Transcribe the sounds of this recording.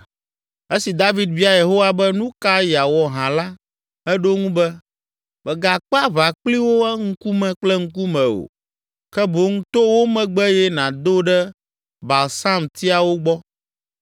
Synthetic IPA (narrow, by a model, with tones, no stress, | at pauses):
e˦si˨d̪a˦vi˦d̪̚vi˦a˨je˨ɦo˦wa˦˨bɛ˦nũ˦ka˦ja˨wɔ˨ɦã˨la˦ | ɛ˦ɖo˦ŋũ˦bɛ˦ | bɛ˨ɡa˨k͡pa˦βa˨k͡pli˦wo˦ɛ˦ŋ̩˦ku˦mɛ̃˨k͡plɛ˦ŋ̩˦ku˦mɛ̃˨o̰˨ | kɛ˦bo˨˦ŋũ˦t̪o˦wo˦mɛ̃˨ɡ͡bɛ˦jɛ˦nã˨d̪o˦ɖɛ˦ | ba˨lsa˦mt̪i˦a˨wo˦ɡ͡bɔ˦